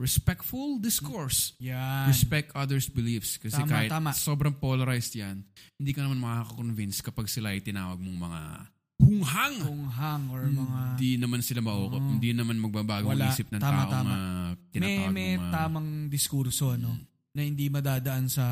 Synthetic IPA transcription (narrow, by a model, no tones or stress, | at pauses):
ɹɛspɛk̚t̪fuld̪ɪskoɹsjaɹɛspɛk̚t̪ʔɐd̪ɛɹsbɪlifskɐsɛmkaːhɪt̪aːmaso̞ːbɾɐŋpolɐɾajst̪jɐnhɪnd̪iːkɐnɐmanmɐkakokonvinskɐpaɡsɪlaʔɐjt̪ɪnaːwɐɡ̚moŋmɐŋa̰ | hʊŋɦaŋʊŋɦaŋoɹɐmɐŋad̪inɐmansɪlamɐʔoːkophɪnd̪inɐmanmɐɡ̚baːbaːɡoŋlaiːsɪp̚nɐŋt̪ːaaːʔoaːŋɐt̪ɪnmaɛɐmɛmɐat̪aːmɐŋd̪ɪskuɾsoɐno | nɐhɪnd̪imɐd̪aːd̪ɐʔansɐ